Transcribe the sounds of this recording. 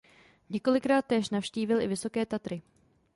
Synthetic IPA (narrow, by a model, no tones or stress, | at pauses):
ɲɛko̞lɪkɾaːt̪̚ːɛːʃnafʃciːvɪlɪ̰vɪso̞kɛːt̪at̪ɾɪ